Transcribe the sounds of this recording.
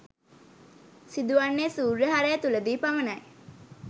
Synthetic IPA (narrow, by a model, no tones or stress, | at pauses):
sid̪uʋanːesuːɾːeɦaɾejt̪uləd̪iːpamənɐj